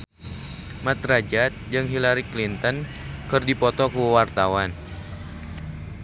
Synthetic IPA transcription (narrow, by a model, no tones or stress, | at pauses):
mat̪rad͡ʒat̪̚d͡ʒɨŋɦilaɾiklint̪ɔn | kɨrdipɔt̪ɔkuwart̪awan